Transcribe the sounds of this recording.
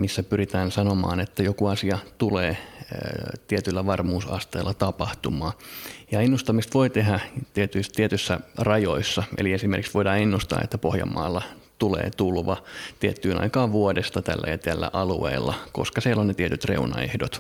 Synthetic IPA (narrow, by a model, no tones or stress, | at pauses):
misːæpyrit̪æːnsɑnomɑ̰ːnet̪ːæjokuɑsiɑt̪uleː | t̪iet̪ylːæʋɑrmuːsɑ̰st̪eːlˑːɑt̪ɑpɑht̪umɑːjɑenːust̪ɑmist̪ʋoit̪eɦæt̪iet̪yist̪iet̪ysːærɑjoisːɑʔḛliesimerkiksʋoidɑːenːust̪ɑ̰ːḛt̪ːæpohjɑ̰mːɑ̰ːlːɑ | t̪ulḛːt̪ulʋɑt̪iet̪ːyːnɑ̰ikɑːʋʋuodest̪ɑt̪æ̰lːæ̰jɑt̪ælːæ̰ʔɑlṵḛːlːɑ̰koskɑsielːonnet̪iet̪yt̪rḛunɑ̰ḛhdot̪